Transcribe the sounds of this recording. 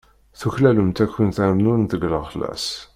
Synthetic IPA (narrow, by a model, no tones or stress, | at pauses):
θuçlæləmt̪ækːənθæmnunt̪əɡləχlæ̰s